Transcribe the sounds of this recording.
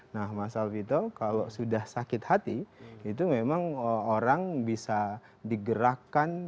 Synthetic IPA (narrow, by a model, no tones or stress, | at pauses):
nahmasalfit̪ɔkalosudahsakɪt̪hat̪iːt̪umemaŋoɾaŋbisa | diɡəɾakan